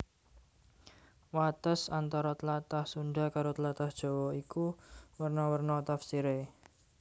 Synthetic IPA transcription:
wat̪əsant̪ɔɾɔt̪əlat̪ahsunɖakaɾot̪əlat̪ahd̥ʒ̥ɔ̤wɔikuwərnɔwərnɔt̪afsiɾe

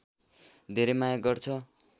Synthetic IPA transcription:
d̪ʱeɾʌmajaɡʌrt͡sʰʌ

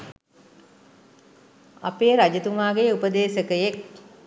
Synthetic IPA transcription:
apeːɾad͡ʒət̪umaːɡejəupəd̪eːsəkəjek̚

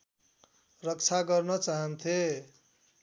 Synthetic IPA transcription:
rʌkt͡sʰaɡʌrnʌt͡saɦʌnt̪ʰe

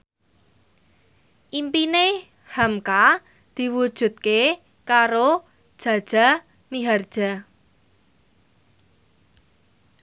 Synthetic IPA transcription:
ʔimpine | hamka | d̪̥i̤wud̥ʒ̥ṳt̪̚ke | kaɾo | d̥ʒ̥ä̤d̥ʒ̥a̤ | miɦard̥ʒ̥a̤

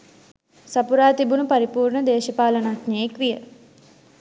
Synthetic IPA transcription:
sapuɾaːt̪ibunupaɾipuːrɳəd̪eːʃəpaːlənatneekʋijə

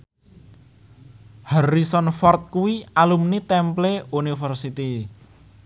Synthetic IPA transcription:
haɾisɔnfɔrt̪̚kuwialumnit̪ɛmpleunifərsit̪i

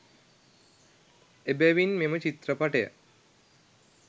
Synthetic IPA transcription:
ebɛʋinmemət͡ʃit̪ɾəpaʈejə̰

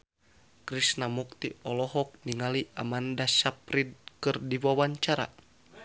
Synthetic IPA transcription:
kɾisnamuk̚t̪iɔlɔɦɔk̚niŋaliʔamandasapɾid̪̚kɨrdiwawaɲt͡ʃaɾa̰

